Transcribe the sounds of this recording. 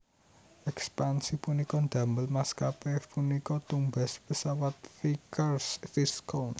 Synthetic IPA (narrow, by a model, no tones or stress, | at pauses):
ɛkspansipunikɔnd̪̥ä̤məlmaskapepunikɔt̪umba̤spəsawat̪̚fikərsfiskɔn